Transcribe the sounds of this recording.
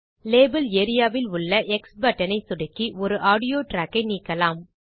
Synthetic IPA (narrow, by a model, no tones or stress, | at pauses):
leːbɐleːɾɪjaːʋɪlʊɭːɐʔɛksbɐʈːɐnɐɪsʊɽɐkːiʔɔɾɯʔaːɽɪjoːʈɾaːkːɐɪniːkːɐlaːm